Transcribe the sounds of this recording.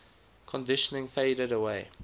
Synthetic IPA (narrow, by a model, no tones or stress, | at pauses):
kʰɔ̃ndɪʃənɪ̃ŋfeɪɾəɾəweɪ